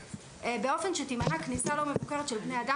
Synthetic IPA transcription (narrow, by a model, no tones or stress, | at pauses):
ebeo̞fe̞nʃet̪imanaknisalo̞mevukeʁet̪ʃelbnejad̪a